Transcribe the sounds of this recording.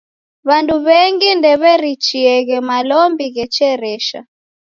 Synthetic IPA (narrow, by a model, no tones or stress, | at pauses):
βanduβɛŋɡindɛβɛɾit͡ʃiɛɣɛmalɔmbiɣɛt͡ʃɛɾɛʃa̰